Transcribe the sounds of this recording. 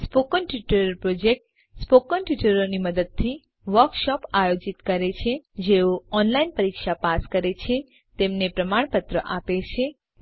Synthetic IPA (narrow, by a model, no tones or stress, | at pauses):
spokənʈuʈəɾəɾpɾod͡ʒek̚ʈ | spokənʈuʈəɾoniməd̪əd̪̚t̪ʰi | ʋəɾkʃɔpajod͡ʒit̪kəɾet͡ʃʰed͡ʒeoɔnlainpəɾikʃapaskəɾet͡ʃʰe | t̪emnepɾəmaɳpət̪ɾəʔapet͡ʃʰe